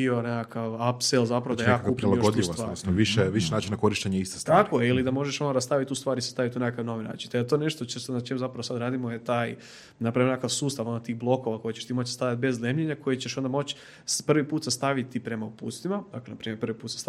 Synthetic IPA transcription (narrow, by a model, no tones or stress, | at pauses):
ionekakaʋapselzapɾaʋod̪ajaakupɾɾilˠaɡod̪ʎisʋt̪ʋaɾsʋiʃɛʋiʃenaːt͡ʃinako̞ɾiʃt̪eɲeist̪ost̪akoeilid̪amo̞ʒeʃonoɾast̪aʋit̪ʲust̪ʋaːɾise̥st̪aʋit̪unekakaʋno̞ʋina̰ːt͡ʃint̪et̪one̞ʃt̪o̞t͡ɕesnat͡ʃemzapɾaʋosad̪ɾaːd̪imojet̪aːj | napɾaʋimnkakaʋsuːst̪aʋo̞not̪iːxblˠo̞ko̞ʋako̞jit͡ɕeʃt̪imo̞t͡ɕsst̪aʋjat̪̚be̞zlemʎeɲako̞jet͡ɕeʃo̞nd̪amo̞t͡ɕ | spr̩ʋipuːt̪sast̪aʋit̪ipɾe̞maupṵːt̪st̪imad̪aklenapɾiːmjeɾpɾrʋipuːt̪sst̪